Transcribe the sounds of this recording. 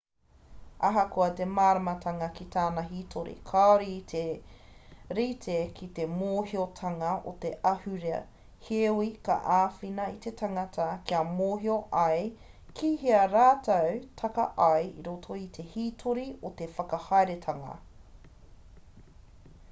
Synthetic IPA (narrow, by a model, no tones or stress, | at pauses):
ɐɦɐkoɐtemaːɾɐmɐtʰɐŋɐkit̪ʰaːnɐɦitʰoɾḭkʰaoɾiːt̪ʰe | ɾitʰekʰit̪emoːhiotʰɐŋɐo̰t̪eʔɐhʉɾḛ | hewikɐ̰ʔaːfinɐit̪etʰɐŋɐtʰɐkʰiɐmoːɦioʔɐj | kʰiːɦiɐɾaːt̪ɐwtʰɐkɐ̰ʔɐjḭɾotʰoit̪ʰe̞hiːtʰoɾiot̪e̞fɐkɐhɐeɾetʰɐŋɐ̰